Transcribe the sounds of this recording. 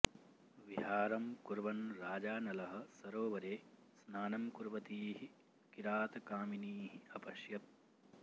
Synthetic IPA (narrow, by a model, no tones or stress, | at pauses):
ʋiɦaːɾɐmkuɾʋɐnɾaːd͡ʒaːnɐlɐɦɐ̆sɐɾoːʋɐɾeː | snaːnɐmkuɾʋɐt̪iːɦi | kiɾaːt̪ɐkaːminiːɦiɐpɐʃjɐt̪̚